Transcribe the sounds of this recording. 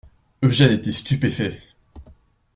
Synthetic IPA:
øʒɛnet̪ɛst̪ypefɛ

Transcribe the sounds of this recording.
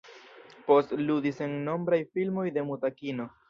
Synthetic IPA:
po̞stludisenno̞mbɾajfilmo̞jde̞mutakino̞

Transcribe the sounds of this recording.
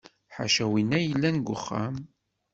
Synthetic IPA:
ħa̰ʃæwinːæjəlːænɡʷʊ̰χːa̰m

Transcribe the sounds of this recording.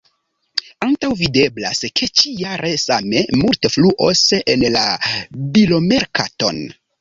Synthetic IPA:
antawvide̞bla̰skʰe̞t͡ʃijaɾʔe̞same̞multefluʔosenlabilo̞me̞ɾkato̞̰n

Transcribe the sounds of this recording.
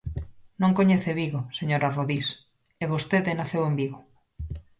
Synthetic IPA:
nõŋkoɲeθeβiɣoseɲoɾaroðis | eβost̪eðenaθewembiɣo

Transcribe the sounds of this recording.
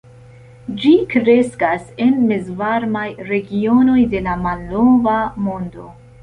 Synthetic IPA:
d͡ʒikɾe̞skase̞nmezvaɾmajɾe̞ɡio̞no̞jde̞lamalːo̞vamo̞ndo̞̰

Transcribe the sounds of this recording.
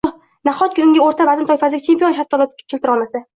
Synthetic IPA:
naχɒt̪̚kʲɪʊŋʲɪoɾt̪ʰabazɪmt̪ʰɒjfazɪɡʲɪt͡ʃʰempijonʃaft̪ʰːɒlɒp̚ʲkʰʲelt̪ɪɾɒlmasɪ

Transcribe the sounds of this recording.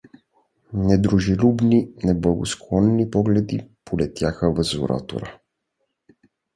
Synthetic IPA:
nɛd̪ɾuʒilʲubninɛblˠaɡosklˠɔnːipɔɡlɛd̪ipolɛt̪jaxəvəzo̰ɾa̰t̪o̰ɾə

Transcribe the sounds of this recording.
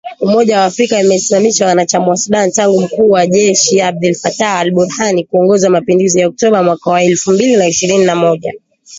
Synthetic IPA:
umɔʄawaːfɾikaimɛsimamiʃawanat͡ʃamuasuɗantaŋɡum̩kuːwaʄɛʃiab̚dulfataːlɓuɾhanikuɔŋɡɔzamapinduzijaɔk̚tɔɓamwakawaɛlfumbilinaiʃiɾininamɔʄa̰

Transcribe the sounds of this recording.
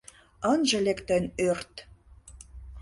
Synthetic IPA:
ənʒɤ̆lekt̪ənørt̪

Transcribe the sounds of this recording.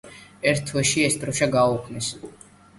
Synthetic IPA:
ɛɾtt̪ʰwɛʃiɛsd̪ɾɔʃaɡaukʰnis

